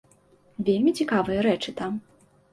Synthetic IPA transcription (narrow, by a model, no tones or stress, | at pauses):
vʲelʲmʲit͡sʲikavɨjɐɾɛt͡ʂɨt̪am